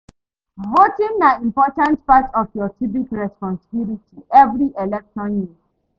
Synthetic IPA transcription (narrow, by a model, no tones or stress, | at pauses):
ɦotĩmnaĩmpɔtãntpatɔfjɔtʰibikɹɛspɔ̃nsibilitiʔɛvɾiʔelɛkʃɔ̃nji